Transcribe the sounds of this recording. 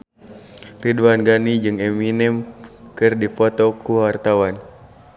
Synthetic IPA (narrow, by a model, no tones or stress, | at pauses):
riduanɡanid͡ʒɨŋɛminɛmkɨrdipɔt̪ɔkuwart̪awan